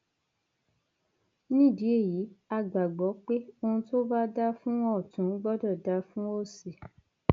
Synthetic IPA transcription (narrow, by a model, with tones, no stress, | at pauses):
nĩ˦˨di˨˦e˦˨ji˨˦a˧˨ɡ͡ba˨ɡ͡bɔ˨˦k͡pe˦o˧ũ˧to˦ba˦da˦fũ˦ɔ˦˨tũ˨˦ɡ͡bɔ˦dɔ˦˨da˧˦fũ˦o˦˨si˨